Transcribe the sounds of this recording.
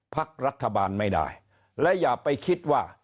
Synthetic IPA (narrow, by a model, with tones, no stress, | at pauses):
pʰa˦˥k̚ɾa˦˥t̪ʰːa˧baː˧nma˥˩jda̰˥˩j | lɛ˦˥jaː˨˩k̚pa˧jkʰi˦˥t̪̚waː˥˩